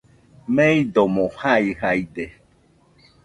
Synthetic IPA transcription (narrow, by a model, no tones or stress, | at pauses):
mẽid̪omõhaiɦaid̪e